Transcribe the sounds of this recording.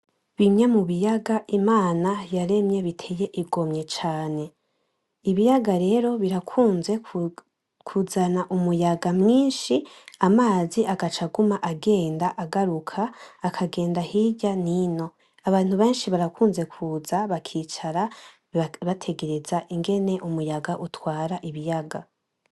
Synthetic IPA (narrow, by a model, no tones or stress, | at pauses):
βimɲemuβijaɡaʔimaːnajaɾe̞mɲe̞βitʰe̞je̞ʔiɡo̞mɲe̞t͡ʃaːne̞ | iβijaɡaɾe̞ːɾo̞βiɾakʰuːnze̞ | kʰuzanaʔumujaɡamŋiːnʃiamaːziʔaɡat͡ʃaɡumaʔaɡe̞ːndaʔaɡaɾukʰaːkʰaɡe̞ːndahiɟanino̞ | aβaːn̥huβe̞ːnʃiβaɾakuːnze̞kʰuːzaβakʰiːt͡ʃaɾa | βatʰe̞ɡe̞ɾe̞zaʔiŋɡe̞ne̞ʔumujaɡaʔutwaːɾaʔiβijaɡa